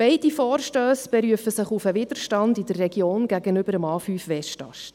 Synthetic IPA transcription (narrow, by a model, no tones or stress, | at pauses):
b̥ɛɪdifɔːrʃtøːsb̥ɛɾyəfəsɪχufəʋɪd̥əɾʃtɑndid̥ərːɛɡjoːnɡæɡənʏbəɾəmɑːfyːfʋɛʃtɑ̰ʃ